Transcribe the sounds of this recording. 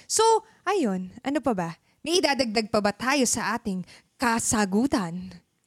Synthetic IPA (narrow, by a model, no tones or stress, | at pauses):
so̞ | ʔajo̞nʔɐnopɐbɐ | mɐjʔɪd̪aːd̪ɐɡ̚d̪ɐɡ̚pɐbɐt̪aːjo̞sɐʔaːt̪ɪŋ | kɐsaɡuːt̪ɐn